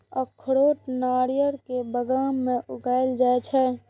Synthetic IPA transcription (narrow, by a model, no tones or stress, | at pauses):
ɔkʰːəɾoːʈnaːɾijəɾkebəɡaːmːẽʔʊɡaːeld͡ʒaːet͡ʃʰɛ